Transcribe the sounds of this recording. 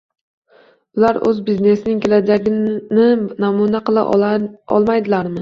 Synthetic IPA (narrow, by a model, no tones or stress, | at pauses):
ʊlaɾɵ̰zbizne̞snɪŋkʲe̞lad͡ʒaɡʲɪnɪnamunaqɨlˠa̰ʔɒ̰lˠmajd̪ɪlaɾmɪ